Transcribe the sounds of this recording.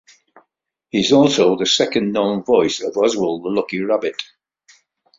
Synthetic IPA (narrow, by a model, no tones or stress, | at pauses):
hiɪzɔːˑlˠsoʊðəsɛkə̃nːõʊ̃nvɔɪsəvɒzwəlˠðəlʊkiɹabɪt